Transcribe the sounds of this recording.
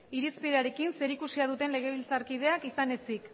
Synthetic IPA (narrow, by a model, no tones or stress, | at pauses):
iɾispiðeaɾe̞kinse̞ɾikusiað̞ut̪e̞nle̞ɣ̞e̞β̞ilt͡saɾkið̞e̞akisane̞sik